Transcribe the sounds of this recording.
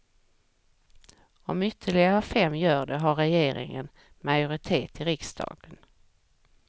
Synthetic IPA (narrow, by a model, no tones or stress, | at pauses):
ɔmʏt̪ʰːəɭɪɡaɾəɑfɛmːjœːɖɛɦaɾɛjeːɾʔɪ̰ŋə̰n | majʊɾɪt̪ʰeːt̪ʰɪɾɪksd̪ɑ̰ːɡ̥ən